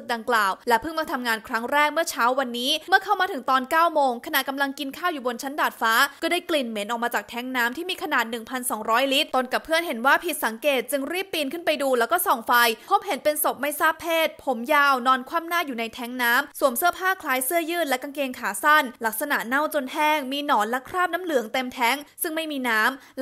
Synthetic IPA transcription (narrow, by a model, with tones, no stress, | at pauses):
sɯ˨˩k̚da˧ŋklaː˨˩wlɛ˦˥pʰɯ˥˩ŋmaː˧t̪ʰa˧mŋaː˧nkʰɾa˦˥ŋɾɛː˥˩k̚mɯ˥˩ɐt͡ɕʰaː˦˥wa˧nːiː˦˥mɯ˥˩ɐkʰa˥˩wmaː˧t̪ʰɯ˩˦ŋt̪ɔː˧nkaː˥˩wmoː˧ŋkʰa˧na˨˩ʔka˧mla˧ŋki˧nkʰaː˥˩wjuː˨˩bo˧nt͡ɕʰa˦˥ndaː˨˩t̪̚faː˦˥kɔː˥˩daː˥˩jkli˨˩nme˩˦nʔɔː˨˩k̚maː˧t͡ɕaː˨˩k̚t̪ʰɛ˦˥ŋnaː˦˥mt̪ʰiː˥˩miː˧kʰa˧naː˨˩t̪̚nɯ˨˩ŋpʰa˧nsɔː˩˦ŋɾɔː˦˥jli˦˥t̪̚t̪o˧nka˨˩pʰɯ˥˩ənɦe˩˦nwaː˥˩pʰi˨˩t̪̚sa˩˦ŋkeː˨˩t̪̚t͡ɕɯ˧ŋɾi˥˩pːiː˧nkʰɯ˥˩npa˧jduː˧lɛː˦˥wkɔː˥˩sɔː˨˩˦ŋfa˧jpʰo˦˥p̚ɦe˩˦npe˧nso˨˩p̚ma˥˩jsaː˥˩pʰːeː˥˩t̪̚pʰo˩˦mjaː˧˩wnɔː˧nkʰwaː˥˩mnaː˥˩juː˨˩na˧jt̪ʰɛ˦˥ŋnaː˦˥msu˨˩əmsɯ˥˩əpʰaː˥˩kʰlaː˨˦˥jsɯ˥˩əjɯː˥˩t̪̚lɛ˦˥ka˧ŋkeː˧ŋkʰaː˩˦sa˥˩nla˦˥k̚sa˧na˨˩ʔna˥˩wt͡ɕo˧nhɛː˥˩ŋmiː˧nɔː˩˦nlɛ˦˥kʰɾaː˥˩p̚naː˦˥mlɯ˨˩˦əŋt̪e˧mt̪ʰɛ˦˥ŋsɯ˥˩ŋma˥˩jmiː˧naː˦˥m